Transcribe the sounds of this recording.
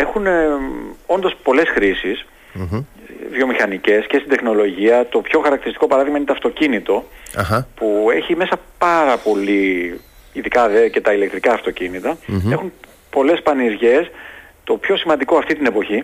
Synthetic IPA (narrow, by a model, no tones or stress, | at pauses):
e̞xun | o̞nd̪o̞spo̞le̞sxɾisis | vo̞mixɐnice̞scest̪id̪e̞xno̞lo̞ʝiɐt̪o̞pço̞xɐɾɐkt̪iɾist̪iko̞pɐɾɐðiɣmɐinet̪ɐft̪o̞cinit̪o̞ɐ̰xɐpue̞çime̞sɐpɐɾɐpo̞li | iðikɐðece̞t̪ɐile̞k̚t̪ɾikɐːft̪o̞cinit̪ɐe̞xun | po̞le̞spɐniɾʝe̞s | t̪o̞pço̞simɐnd̪iko̞ɐft̪it̪ine̞po̞çi